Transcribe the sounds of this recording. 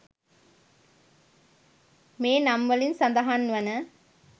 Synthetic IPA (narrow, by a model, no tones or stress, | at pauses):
meːnɐmʋɐlinsɐnd̪ɐɦaːnːʋɐnɐ